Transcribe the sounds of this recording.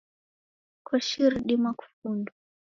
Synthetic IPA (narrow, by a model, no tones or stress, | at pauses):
kwaʃiɾɗimaku̥fundu